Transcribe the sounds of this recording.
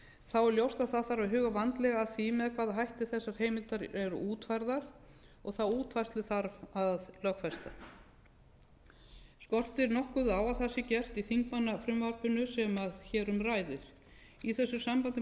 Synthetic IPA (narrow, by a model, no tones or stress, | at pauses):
θawɛljowst̪aðθaðθaɾawɦʏːɣavant̪lɛɣaːðθimɛðakʰvaːðaɦajht̪ɪ̥θɛsːaɾ̥heːjmɪlt̪aɾɛɾʏ̰ʔuːt̪fajɾðaɾ̥ | ɔɣθawuːt̪vajst̪lʏθaɾvaðlœxkfɛst̪a | skɔr̥t̪ɪɾnɔhkʏðaːwaθɛsːɪcɛr̥t̪iθiŋkmanːafɾʏmvaɾpʏnʏsɛmaðçɛːɾʏmɾaːjðɪɾ̥ | iθɛsːʏsampant̪ɪ